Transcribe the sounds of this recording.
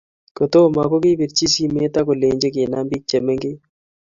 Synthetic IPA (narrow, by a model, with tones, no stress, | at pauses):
ko˨t̪oː˦ma˨ko˦ki˦pi˨ɾt͡ʃi˦si˦me˦t̪a˦ko˨leː˨ɲd͡ʒe˦k̬e˨na˦mbi˦k̚t͡ʃe˨me˦ŋɡe˦